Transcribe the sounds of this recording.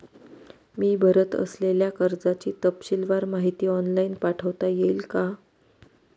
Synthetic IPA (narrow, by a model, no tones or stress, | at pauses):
miːbʱəɾət̪ə̰sleljakəɾd͡zat͡ɕiːt̪əpɕilʋaɾmaɦit̪iːɔnlainpaʈʰəʋt̪ajeilka